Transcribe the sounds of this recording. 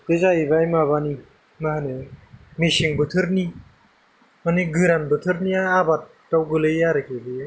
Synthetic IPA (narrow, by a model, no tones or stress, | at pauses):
tezajbajmaβani | maɦanemisiŋbɯtʰɯɾni | mɯniɡɯɾanbɯtʰɯɾniaːbatːawɡɯlɯjaɾɯkebi